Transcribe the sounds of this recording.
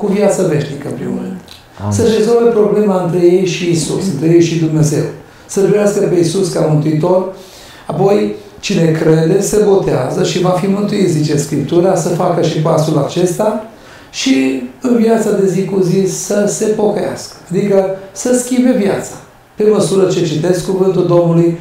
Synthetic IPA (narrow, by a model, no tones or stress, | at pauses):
kuvjat̪səve̞ʃnikə̰mpɾḭmːoɾɨnd̪ | səɾe̞zo̞lve̞pɾo̞ble̞maɨnt̪ɾe̞je̞jʃiːsṵsɨnt̪ɾejejʃid̪umne̞ze̞̰w | sət̪ɾikeaskəpe̞isuskamɨnt̪uit̪o̞r | apo̞j | t͡ʃine̞kɾe̞d̪e̞sebo̞t̪ea̰zəʃivafimɨnt̪uit̪zit͡ʃe̞skɾip̚t̪uɾasəfakəʃipasulat͡ʃe̞st̪a | ʃiɨnvjat̪sad̪e̞zikuzisəse̞po̞kəja̰skə̥ad̪ikəsəskʲimbe̞vjat̪sḁ | pe̞məsuɾət͡ʃe̞t͡ʃit̪e̞skuvɨnt̪uld̪o̞mnuluj